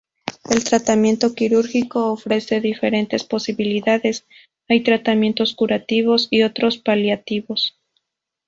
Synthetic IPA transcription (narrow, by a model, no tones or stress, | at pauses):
e̞lt̪ɾat̪amje̞nt̪o̞kiɾuɾxiko̞ːfɾe̞se̞ðife̞ɾe̞nt̪e̞spo̞siβiliðaðe̞s | ajt̪ɾat̪amje̞nt̪o̞skuɾat̪iβ̞o̞sio̞t̪ɾo̞spaljat̪iβo̞s